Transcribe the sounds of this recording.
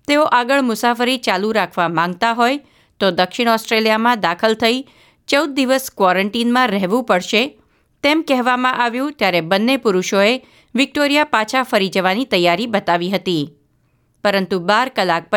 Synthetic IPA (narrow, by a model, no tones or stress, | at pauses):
t̪eoʔaɡəɭmʊsafəɾit͡ʃaluɾakʰʋamãŋɡ̚t̪aɦoj | t̪od̪əkʃɪɽ̃ɔsʈɾelijamãd̪akʰəlt̪ʰəi | t͡ʃəwd̪̚ːiʋəskʋɔɾəɳʈinmãɾɛɦʋũpəɽʃe | t̪emkɛɦʋamãʔaʋjũt̪jaɾebənːepuɾuʃoe | ʋɪk̚ʈoɾijapat͡ʃʰafəɾid͡ʒəʋanit̪əjːaɾibət̪aʋiɦət̪i | pəɾənt̪ubaɾkəlak̚pə